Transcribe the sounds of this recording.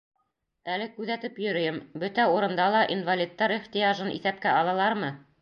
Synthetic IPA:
ælɘkʉðæt̪ɘpjɵ̆ɾɵ̆jɘmbɵt̪æuɾɤ̆nd̪ɑlˠɑʔinvalʲit̪ːɑɾiχt̪ijaʒɤnḭθæp̚kæɑlˠɑlˠɑɾmɤ

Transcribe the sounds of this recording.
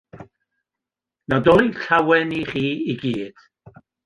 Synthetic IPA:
nadɔlˠiɬawɛniχiːiɡiːd̥

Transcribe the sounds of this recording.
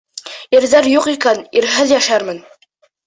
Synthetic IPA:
iɾðæɾjuqikæniɾɦɘðjæʃæɾmɘn

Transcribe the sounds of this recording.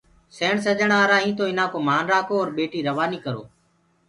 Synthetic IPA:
seːɳsəʄəɳaːɾaːɦĩːt̪oːɪnãːkoːmaːnɾaːkʰoːɔːɾɓeːʈiːɾəʋaːniːkəɾo̰ː

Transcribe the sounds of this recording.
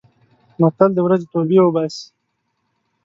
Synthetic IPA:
mat̪ald̪əwɾazet̪obiwəbaːsi̥

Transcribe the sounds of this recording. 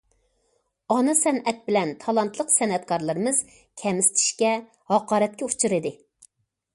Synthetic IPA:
ɑnɨsɛnʔɛt̪̚bɪlɛnt̪ʰɑlˠɑnt̪lˠəqsɛnɛt̪kʰɑɾlˠɨɾɨmɨz̥ | kʲʰɛmɪst̪ʰɪ̥ʃkʲɛ | hɑqɑːɾɛt̪̚kʲɛut͡ʃʰɨɾɨd̪ɪ

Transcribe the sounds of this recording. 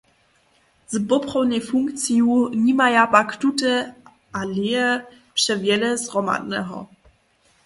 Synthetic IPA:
zbɔpχɔwnʲɛfuŋkt̪sijuɲimajabaktutɛ | aliɛ | pʂɛvʲjɛlɛzʁɔma̰dnɛ̰ɦɔ̰

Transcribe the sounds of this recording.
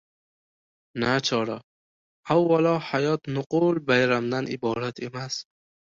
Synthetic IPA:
nat͡ʃʰɒːɾa | awːalɒhajɒːt̪nʊqulbajɾamd̪anibɔːɾat̪ʰimas

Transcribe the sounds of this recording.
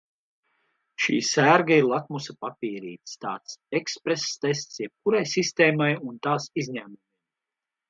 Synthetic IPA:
ʃḭːsæɾɡaiɾlˠak̪musapapʲiːɾḭːt̪st̪ɑːt̪sekspɾesːt̪es̬t̪sjɛp̚kuɾajsist̪eːmajunt̪aːsizɲæːmumij

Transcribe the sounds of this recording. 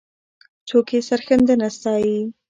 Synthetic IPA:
t͡sokesaɾxənd̪ənast̪ɑːji

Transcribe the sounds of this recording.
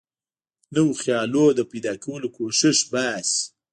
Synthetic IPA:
nəwxjɑlod̪əpejd̪ɑːkawəlokoʃɪʃbas

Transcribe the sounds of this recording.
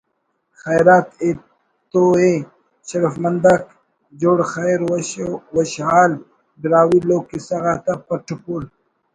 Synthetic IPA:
xajɾaːt̪e | t̪oe | ɕɾəfmɐnd̪ak | d͡ʑoːɽxaɾwwɐɕhaːl | bɪɾaːwiloːkːisɐɣaːt̪apɐʈʰupul

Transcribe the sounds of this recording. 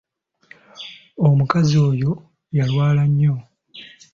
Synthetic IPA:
omukazio̞ːjo̞ | jalwaːlaɲːo̞

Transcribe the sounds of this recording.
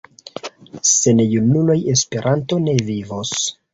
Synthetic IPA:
se̞nejunuloje̞spe̞ɾʔanto̞ne̞vivos

